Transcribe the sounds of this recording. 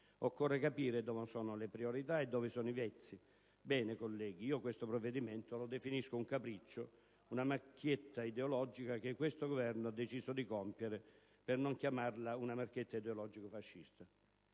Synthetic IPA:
okːɔrːekapiːɾɪd̪ɔːvosɔːnolepɾioɾit̪aɛd̪ːɔːvɪsɔːnivɛt̪sːi | bɛːnekolːɛːɡiiːokwest̪opɾɔvːed̪iment̪olod̪efiniskʊuŋkapɾit͡ʃːo | unamakʰːjet̪ːaid̪eolɔd͡ʒikak̟ekːwest̪oɡovɛrnʊad̪ːet͡ʃiːsod̪ikɔmpjeɾɪ | pɪrnoŋkjamarlaunamarkjet̪ːaid̪eolɔd͡ʒikofaʃːist̪a

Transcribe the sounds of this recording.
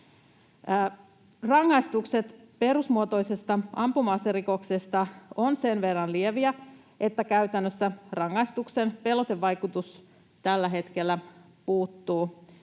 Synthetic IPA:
rɑŋːɑjst̪ukse̞t̪ | pe̞ɾusmuot̪o̞jsest̪ɑɑmpumɑːseriko̞ksest̪ɑo̞nse̞nʋe̞rːɑnlieʋiæ | ʔe̞t̪ːækæyt̪ænːøsːærɑŋːɑjst̪ukse̞npe̞lot̪e̞ʋːɑjkut̪us | t̪ælːæɦe̞t̪ke̞lːæ | puːt̪ːuː

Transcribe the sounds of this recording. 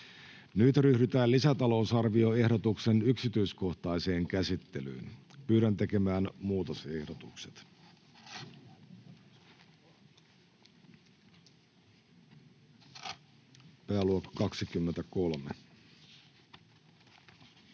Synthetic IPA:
nyt̪ryhdyt̪æːlisæt̪ɑlo̞ːsɑrʋio̞e̞hdo̞t̪ukse̞nyksit̪yisko̞ht̪ɑise̞ːŋkæsit̪ːe̞ly̰ːnpyːɾænt̪e̞ke̞mæːnmuːt̪ose̞hdot̪ukse̥t̪ | pæːluokːɑ̥kɑksikymːent̪ækolmḛ

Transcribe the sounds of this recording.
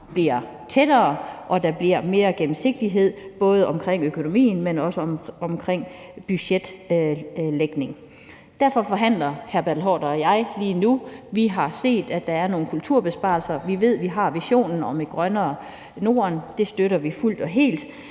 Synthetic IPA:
b̥liɐ | t͡sʰed̥ɐːʔɒ̽d̥ɑ̈b̥liɐ̰me̝ːɐɡ̥em̩se̝ɡ̥̚d̥iɦe̝ð̞̰ˠb̥ɔ̽ːð̞ˠəʔɒ̽mkʰʁeŋ̰økʰo̝no̝mḭːn̩menɒ̽səɒɒ̽mkʰʁeŋ̰ | b̥yɕed̥ | leɡ̥ne̝ŋ | d̥æɐ̰fɒ̽fɒ̽ɦæn̰lɐhæɐb̥ædl̩ɦɒ̰ːd̥ɐɒjɑ̈ɪliːnuʋiɦɑ̈se̝̰ːd̥æd̥ɑ̈æɐno̝ːn̩kʰult͡sʰuɐ̰b̥e̝sb̥ɑ̈lsɐʋiʋe̝ð̞̰ˠʋiɦɑ̈ʋiɕo̝̰ːnn̩ɒ̽meɡ̥ʁɶnɐː | no̝̰ːɐnd̥e̝sd̥øɾɐʋiful̰d̥ɒ̽ɦe̝̰ːld̥

